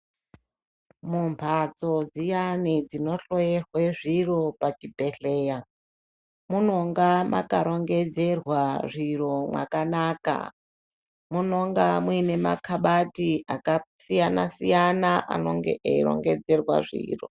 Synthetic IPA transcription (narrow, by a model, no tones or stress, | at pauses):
mumpʰat͡so̞d͡zijanid͡zino̞ɬojerweʐiro̞pat͡ʃibʱe̞ɬeːja | muno̞ŋɡama̰kaɾo̞ŋɡe̞d͡ze̞rwaʐiro̞mwa̰kanaːka̰ | muno̞ŋɡamwine̞ma̰kʰaɓatiakasijana̰sijanaʔa̰no̞̰ŋɡḛʔeiɾo̞̰ŋɡe̞d͡ze̞rwa̰ʐḭːro̞